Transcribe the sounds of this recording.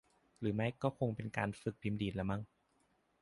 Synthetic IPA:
ɾɯː˩˦ma˦˥jkɔː˥˩kʰo˧ŋpe˧nkaː˧nfɯ˨˩k̚pʰi˧mdiː˨˩t̪̚la˧˥ma˦˥˩ŋ

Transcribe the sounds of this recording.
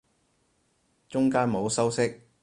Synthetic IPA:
t͡ʃʊ˥ŋkaː˥nmo˨˧wsɐ˥wsɪ˥k̚

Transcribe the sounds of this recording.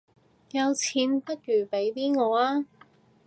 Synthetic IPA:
jɐ˨˧wt͡sʰiː˨˧npɐ˥t̚jyː˨˩pe˨˥jt̪iː˥ŋɔː˨˧aː˥

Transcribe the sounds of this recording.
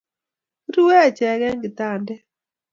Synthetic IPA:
ɾu˦wɛ˦˨t͡ʃɛ˨ɡɛ˦ŋɡɪ˨ta˨ndɛ˦

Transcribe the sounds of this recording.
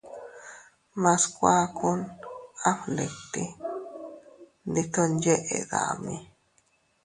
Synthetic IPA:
mã˧skʷa˦kʰu˦na˦fle˨t̪i˦ | nd̪i˧t̪o˦nd͡ʒe˦ʔe˨d̪a̰˨mi˧

